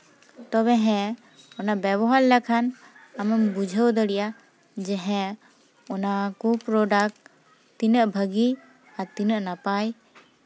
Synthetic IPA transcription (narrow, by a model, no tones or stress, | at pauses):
t̪ɔβɛɦɛ̃ | ɔnaʔbɛbɔɦaɾlakʰanamɛmbud͡ʒʱəwd̪əɽija | d͡ʒɛɦɛ̃ | ɔnakupɾɔɖak̚ | t̪inəʔbʱəɡi | at̪inəʔnapaj